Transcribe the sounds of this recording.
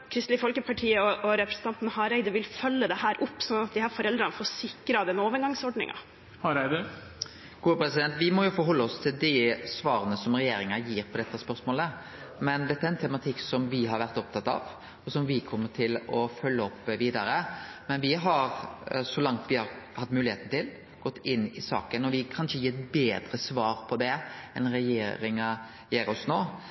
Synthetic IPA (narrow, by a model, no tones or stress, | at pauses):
kʰɾɪst̪lɪfɔlkəpʰɑʈʰiːəɔʔɔɾɛpɾəsən̩t̪ɑnt̪nhɑɾæɪd̪əɾʋɪlfœlːəd̪ɛhæːɾʔʊpːsɔnɑt̪̚d̪ɪhɑɾfɔɾɛld̪ɾənfɔːsɪkɾɑd̪ɛnoːʋəɾɡɑŋsɔɖɳɪ̰ŋʔɑ̰ | hɑɾæɪd̪ə | ɡ̥uːəpɾɛsɪd̪ɛnt̪ʋɪmɔjʊfɔɾɦɔlːəɔst̪ʰɪld̪ɪsʋɑːɾənəsɔmɾɛjeːɾɪŋɑjiːɾpʰɔd̪ɛt̪ːəspœɾsmoːlə | mɛnd̪ɛt̪ːæɾɛnt̪ʰɛmɑt̪ʰɪkːsɔmʋɪɦɑɾʋæɾt̪ɔp̚t̪ɑt̪ːɑ̰ʋ | ɔsɔmʋɪkʰɔmːəʈʰɪlɔfœlːəɔpːʋiːd̪ɑɾəmɛnʋɪɦɑɾsɔlɑŋt̪ʋɪhɑɾhɑt̪ːmʉːlɪheːt̪n̩t̪ʰɪl | ɡ̥ɔt̪ːɪnːɪsɑ̰ːkənɔʋɪkʰɑnʂəjiːɛt̪beːd̪ɾəsʋɑːɾpʰɔd̪ɛɛnɾɛjeːɾɪŋɑ | jeːɾɔsnoː